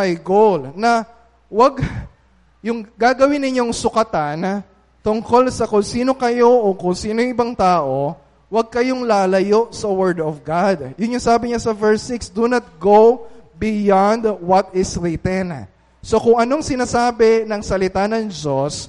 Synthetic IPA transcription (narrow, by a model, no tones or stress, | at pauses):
ɐjɡowlnɐ | wɐɡ | jʊŋɡaːɡɐwɪnːɪɲo̞ŋsʊkɐt̪an | t̪ʊŋko̞lsɐkʊŋsiːno̞kɐjo̞ʔokʊŋsiːnojʊ̃ŋʔɪbaŋt̪aːʔo̞ | wɐɡ̚kɐjo̞ŋlaːlɐjo̞ʔsɐwɛɹd̪ɔfɡad̪̚jʊnjʊŋsaːbɪɲasɐvɛɹsɪksd̪unɐt̪̚ɡowbɪjand̪wɐt̪ɪsɹit̪ɛn | so̞kʊŋʔɐnoŋsɪnaːsaːbɛnɐŋsɐlɪt̪anɐŋd͡ʒos